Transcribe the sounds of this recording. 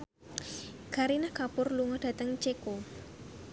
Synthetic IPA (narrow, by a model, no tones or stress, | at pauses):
kaɾinahkapʊrluŋɔd̥a̤t̪əŋt͡ʃeko